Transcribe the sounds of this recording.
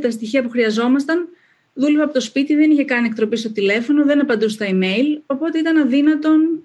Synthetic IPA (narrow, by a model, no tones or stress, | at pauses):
t̪ɐst̪içiɐpuxɾiɐzo̞mɐst̪ɐn | ðulevɐpo̞t̪o̞spit̪iðe̞niçe̞kɐniekt̪ɾo̞pist̪o̞t̪ile̞fo̞no̞ðe̞nɐpɐnd̪ust̪ɐime̞jlo̞po̞t̪e̞it̪ɐnɐðinɐt̪o̞n